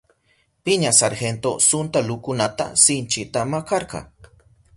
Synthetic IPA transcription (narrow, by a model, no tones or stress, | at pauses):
pɪɲasaɾxent̪o̰sʊnt̪alʊkʊnat̪a̰sɪnt͡ʃɪt̪amakɑɾqɑ̰